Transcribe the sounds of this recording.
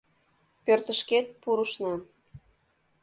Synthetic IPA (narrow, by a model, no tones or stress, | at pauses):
pørt̪ə̆ʃket̪̚puɾəʃnɑ